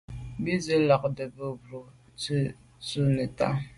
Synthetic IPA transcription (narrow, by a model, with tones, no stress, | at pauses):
bi˦zə˦la˨k̚də˨bə˦˨bɾo˨ | t͡sə˦ | su˦ne˨ta̰˦